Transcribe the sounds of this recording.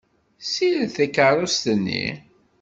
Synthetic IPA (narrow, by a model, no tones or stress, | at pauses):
silθækəɾˤʊst̪ənːḭ